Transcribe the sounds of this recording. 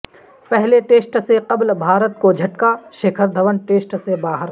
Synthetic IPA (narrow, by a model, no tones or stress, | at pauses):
pɛɦleʈeːsʈseqɐblbʱaːɾət̪kod͡ʒʱɐʈkaʃeːkʰəɾd̪ʱɐʋənʈeːsʈsebaːɦəɾ